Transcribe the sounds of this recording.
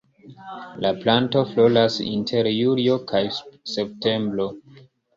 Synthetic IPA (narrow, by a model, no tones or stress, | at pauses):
laplanto̞flo̞lasḭntʰe̞ɾjuliokʰajsep̚te̞mbɾo̞